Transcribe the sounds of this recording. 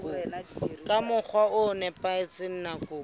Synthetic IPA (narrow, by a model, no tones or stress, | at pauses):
kːkʼamʊk͡xʰwaʊnɛpaɪt͡sɪn̩nakʊ